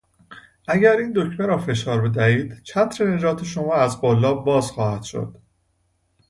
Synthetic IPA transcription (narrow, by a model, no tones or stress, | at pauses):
ʔæɟæɾiːnd̪o̞cʰmeɾɒːfe̞ʃɒːɾbe̞d̪æhiːd̪̥t͡ʃʰæt̪ʰɾene̞d͡ʒɒːt̪ʰe̞ʃo̞mɒːæzbolːɒːbɒːzxɒːhæt̪ʃo̰d̪̥